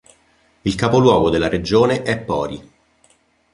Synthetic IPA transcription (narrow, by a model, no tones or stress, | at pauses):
ilkapolwɔːɡod̪elːaɾed͡ʒoːneʔɛpːɔːɾi